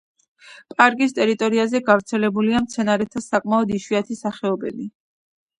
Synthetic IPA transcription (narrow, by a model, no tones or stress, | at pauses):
pʼaɾkʼist̪ʼɛɾit̪ʼɔɾiazɛɡavɾt̪sʰɛlɛbuliamt̪sʰɛnaɾɛt̪ʰasakʼmaɔd̪iʃwiat̪ʰisaχɛɔbɛ̰li